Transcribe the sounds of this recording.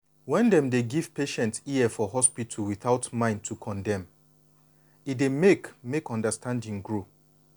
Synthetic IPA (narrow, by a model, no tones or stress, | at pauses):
wɛ̃ndɛ̃mdeɡiv̥peʃɛ̃ntsiɛfɔɦɔspitʰulwiθaʊtmãɪ̃nd̚tʰukʰɔ̃ndɛ̃m | itdemekmekɔ̃ndəstʰãndĩŋɡɹo